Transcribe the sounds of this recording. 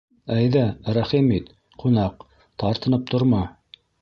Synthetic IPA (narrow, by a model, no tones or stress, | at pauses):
æjðæɾæχimit̪ | qunɑq | t̪ɑɾt̪ɤ̆nɤp̚t̪ʰŏɾmɑ